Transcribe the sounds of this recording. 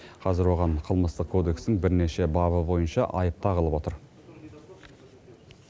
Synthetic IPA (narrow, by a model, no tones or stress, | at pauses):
qʰɑzɪɾwo̞ʁɑɴqʰəlˠməst̪əq̚kʰo̞d̪e̞kst̪ɪŋbɪɾne̞ʃe̞bɑβəbo̞jənʃɑʔɑjəp̚t̪ɑqʰəlˠəpwo̞t̪əɾ